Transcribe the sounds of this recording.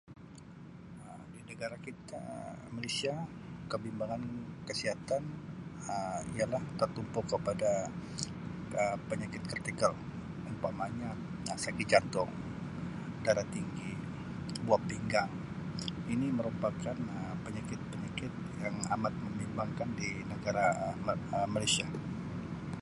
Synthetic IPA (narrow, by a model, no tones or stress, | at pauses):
əmdinəɡaɾakit̪a̰malesiakəbimbaŋankəsiɦat̪anəialaht̪ərt̪umpʊkəpada | əpəɲakɪt̪̚kərt̪ikəl | umpaʔmaɲak̚ | asakɪt̪̚d͡ʒant̪ʊŋ | daɾat̪iŋɡi | buapiŋɡaŋ | iniməɾupakanəpəɲakɪt̪̚pəɲakɪt̪̚jaŋamat̪̚məmimbaŋkandinəɡaɾa | əmalajsia